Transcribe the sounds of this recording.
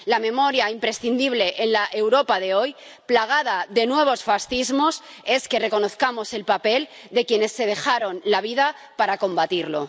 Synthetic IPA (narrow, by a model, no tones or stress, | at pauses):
lamẽ̞mo̞ɾjaimpɾe̞sθind̪iβ̞le̞ʔenlaʔe̞wɾo̞paðe̞o̞j | plaɣ̞að̞aðe̞nwe̞β̞o̞sfasθizmo̞s | e̞ske̞re̞ko̞no̞θkamo̞se̞lpape̞l | d̪e̞kje̞ne̞sːe̞ð̞e̞xaɾo̞nlaβ̞iða | paɾako̞mbat̪iɾlo̞